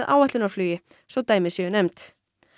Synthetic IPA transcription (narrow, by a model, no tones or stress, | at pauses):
ðʔa̰ːwɛht̪ɪnɔɾflyːjɪ | sɔt̪aːjmɪsjʏʏnɛmt̪